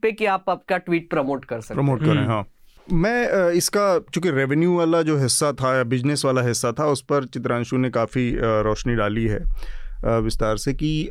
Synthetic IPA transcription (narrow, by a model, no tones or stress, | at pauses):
pekiaːpap̚kaʈʋiːʈ̚pɾɐmoːʈkɐɾsɐkpɾɐmoːʈ̚kɐɾẽɦãːmɛ̃ːɪskakjõːkiɾeʋenjuʋaːlad͡ʒoːɦɪsːat̪ʰajabɪd͡ʒnɪsʋaːlaɦɪsːat̪ʰaʊspɐɾt͡ʃɪt̪ɾãːnʃũnekaːfiɾɔːʃniɖaːliɦɛ̰ː | ʋɪst̪aːɾseki